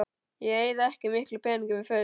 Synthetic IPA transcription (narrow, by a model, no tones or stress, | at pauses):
jɛɣeːjðaɛhcɪmɪhklʏpʰɛːnĩŋkʏmɪfœː